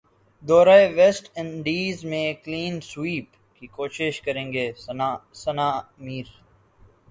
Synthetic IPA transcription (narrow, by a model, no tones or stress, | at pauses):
d̪ɔːɾaːeʋɛsʈɪ̃ɳɖiːzmẽːkliːnswiːp | kiːkoːʃɪʃkɐɾẽːŋɡeːsɐnaːmiːɾ